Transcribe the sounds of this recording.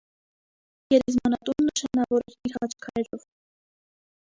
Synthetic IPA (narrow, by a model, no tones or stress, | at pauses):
jɛɾɛzmɑnɑt̪unnəʃɑnɑvɔɾɛɾiɾhɑt͡ʃʰkʰɑɾɛɾɔv